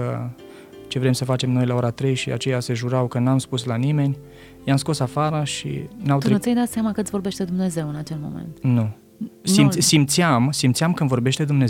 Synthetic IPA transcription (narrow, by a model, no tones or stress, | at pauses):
ə | t͡ʃe̞vɾe̞msəfat͡ʃe̞mno̞jlao̞ɾat̪ɾejʃia̰t͡ʃe̞jase̞ʒuɾawkənamspuslanime̞nʲ | jamsko̞safaɾəʃḭnawt̪ɾeɨt̪ʲajd̪at̪siamakəɨsvo̞rbe̞ʃt̪ed̪umne̞ze̞wɨnat͡ʃe̞lmo̞̰mḛnt̪nu | simʲsimt̪siamsimt̪siamkənvo̞rbe̞ʃt̪e̞d̪umne